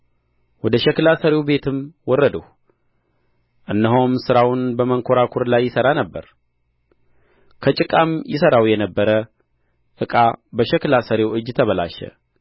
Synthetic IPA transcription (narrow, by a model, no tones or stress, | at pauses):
wɔd̪əʃɛklasəɾewbe̞t̪ʰɨmwɔrːəd̪əh | ʔɨnːəɦomsɨɾawʊnbəməŋkʰoɾakʰuɾlajːɪsəɾanəbːəɾ | kʰət͡ʃʼɪkʼamjɪsəɾawjɛnəbːəɾə | ʔɨkʼabəʃɛklasəɾewɨd͡ʒːt̪ʰəβəla̰ʃɛ̰